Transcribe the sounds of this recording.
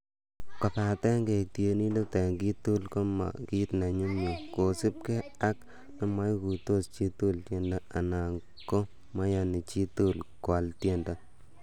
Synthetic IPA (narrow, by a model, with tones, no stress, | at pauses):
kɔ˨ta˨tɛ˦ŋɡe˨k̚tje˨ni˦lu˦te˨ŋɡi˦t̪u˦lko˦ma̰˨ki˦t̪na˨ɲu˦mɲo˨ko˨sɪ˦p̚ke˦a˦k | na˦ma˦jku˨to˦st͡ʃi˦t̪u˦ltje˦nda˦a˨na˨ŋ | ko˦ | ma˦ja˧ni˨t͡ʃi˦tu˦˨lkwa˨ltje˦nda˦